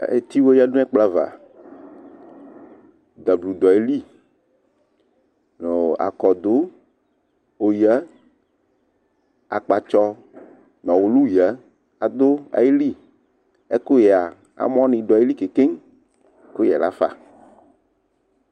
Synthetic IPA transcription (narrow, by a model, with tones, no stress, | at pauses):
ḛ˨t̪i˦wo˦ja˦nũ˦ɛ˦k͡pla˦va̰˨ | d̪a˨blu˨d̪ɔ˨e˦li˦ | no˨a̰˨kɔ˨d̪o˦ | o˨ja˦ | a˨k͡pa˨t͡ʃɔ˦ | nɔ̃˨wo˨lu˦ja˦ | a˨d̪o˦a̰˨je˦li˦ | e˦ko˦jɛ˨a˨ | a̰˨mɔ̃˦nĩ˨ɖɔ˨e˦li˦ke˨ke˦ŋ | ko˦jɛ̰˨la̰˦fa̰˨